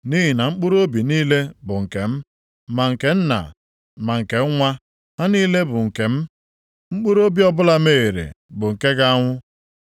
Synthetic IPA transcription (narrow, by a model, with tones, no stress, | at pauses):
ni˦ɦi˨na˨ŋ͡m̩˦k͡pu˦ɾo˦bi˨niː˦le˦bʊ˨ŋ̩˨ke˨m̩˦ | ma˨ŋ̩˨ke˨n̩˦na̰˨ | ma˨ŋ̩˨ke˨˦ŋʷa˦ | ɦa˦niː˦le˦bʊ˨ŋ̩˨ke˨m̩˦ | ŋ͡m̩˦k͡pu˦ɾo˦bi˦ɔ˦˨bʊ˦la˦me˦˨e˨ɾḛ˨bʊ˨ŋ̩˨ke˦ɡa˦a˦ŋʷʊ˦